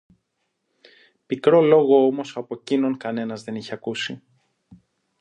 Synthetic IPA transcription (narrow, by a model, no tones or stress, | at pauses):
pikɾo̞lo̞ɣo̞omo̞sɐpo̞cino̞ŋkɐne̞nɐzðe̞niçeɐkusi